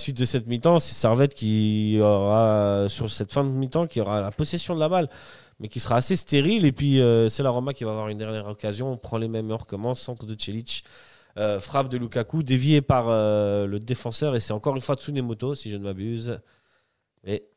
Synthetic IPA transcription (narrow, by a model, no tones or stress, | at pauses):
sɥit̪̚d̪əsɛt̪mit̪ɑ̃sɛ̥sɛʁvɛt̪kʲiɔʁasyʁsɛt̪fɛ̃d̪əmit̪ɑ̃kʲiɔʁalapɔsesjɔ̃d̪əlabal | mɛkʲisəʁaːsest̪eʁilepɥiøsɛlaʁɔmakʲivaːvwaʁynd̪ɛʁnjɛʁɔkazjɔ̃pχɑ̃lemɛmɔʁkɔmɑ̃sɑ̃t̪χəd̪ət͡ʃelit͡ʃ | øfχapd̪əlukakud̪evjepaʁøləd̪efɑ̃sœʁesɛt̪ɑ̃kɔʁynfwat̪sunemot̪osiʒənəmabyz | ɛ